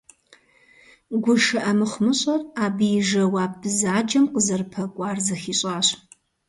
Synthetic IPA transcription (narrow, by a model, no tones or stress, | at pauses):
ɡʷʊʃɨʔɐmɨχʷmɨɕʼɐraːbɨjɪʒɐwaːp̚bɨzaːd͡ʒɐmqəzɐrpʰɐkʷʼɑːrzɐxiːɕʼaːɕ